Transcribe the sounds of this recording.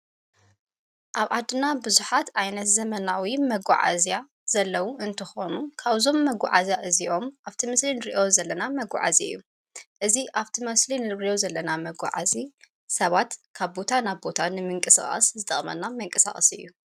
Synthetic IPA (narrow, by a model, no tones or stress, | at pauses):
ʔaβʕad̪ɨnabɨzuħat̪ʰajnɐt̪zɐmɐnawimɐɡʷa̰ʕa̰zija | z̥ɐlːɐwuʔɨnt̪ʰɨxo̞nukʰaβzo̞mːɐɡʷa̰ʕa̰zjaʔɨziʔo̞mʔaβt̪ʰimɨslinɨɾiʔo̞zɐlːɐnamɐɡʷa̰ʕa̰ziɨjːu | ʔɨziʔaβt̪ʰimɐslinɨijo̞zɐlːɐnamɐɡʷa̰ʕa̰zi | sɐβat̪kʰaβbo̞t̪ʰanaβbo̞t̪ʰanɨmɨŋkʼɨsa̰χʼɐ̰szɨt̪ʼɐχʼmɐ̰nːamɨŋkʼɨsa̰χʼɐ̰sɨ̰jːu